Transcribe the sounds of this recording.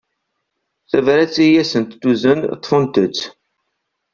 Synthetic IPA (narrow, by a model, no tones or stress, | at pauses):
θævɾæt͡sːijæsənt̪ːuzənt̪ˤːfənt̪ət͡sː